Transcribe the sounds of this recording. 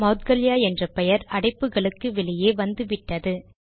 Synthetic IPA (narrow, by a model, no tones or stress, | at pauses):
mɐʊt̪̚ɡɐljaːɛndrɐpɛjɐɾɐɽɐɪpːɯɣɐɭɯkːɯʋɪɭɪjeːʋɐnd̪ɯʋɪʈːɐðɯ